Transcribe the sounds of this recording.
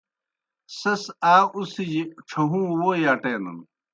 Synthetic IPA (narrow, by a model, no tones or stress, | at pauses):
sɐsaːusid͡ʑiʈ͡ʂʰɐɦũːwoːjaːʈeːnɐ̰n